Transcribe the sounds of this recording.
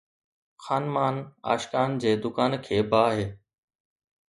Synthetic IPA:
xaːnmaːna̰ːʃkaːnd͡ʑeːd̪ʊkaːnkʰeːbaːɦeː

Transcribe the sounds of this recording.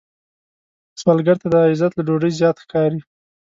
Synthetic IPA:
smalɡaɾt̪ad̪əaɪzat̪laɖoɽəjzjɑt̪xkɑɾi

